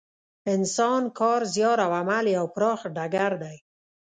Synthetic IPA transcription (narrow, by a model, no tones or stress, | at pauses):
ɪnsɔnkʰɔːɾzjɔɾawamaliawpɾɔːxɖaɡaɾd̪aj